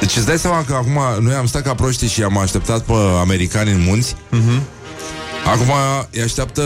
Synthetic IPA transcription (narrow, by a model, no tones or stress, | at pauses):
d̪e̞t͡ʃet̪sd̪ajseamakəakumanojamst̪at̪kapɾo̞ʃt̪iʃiamaʃt̪e̞p̚t̪at̪pəame̞ɾikanɨnmunt̪sʲ | akumajaʃt̪eap̚t̪ə